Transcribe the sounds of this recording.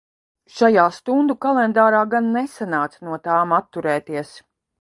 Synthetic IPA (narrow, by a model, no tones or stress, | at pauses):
ʃajaːst̪und̪ukalˠɛnd̪aːɾaːɡanːesanaːt̪snuɔt̪aːmat̪ːuɾɛːt̪iɛs